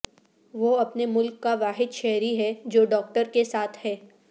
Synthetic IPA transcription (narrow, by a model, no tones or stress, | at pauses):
ʋoɐpnemʊlkːaʋaːɦɪd̪ʃɛɦɾiɦɛd͡ʒoːɖɔːk̚ʈəɾkesaːt̪ʰhɛː